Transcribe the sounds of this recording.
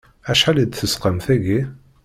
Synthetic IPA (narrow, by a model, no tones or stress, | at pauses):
æʃħælid̪θəsqəmθæʝi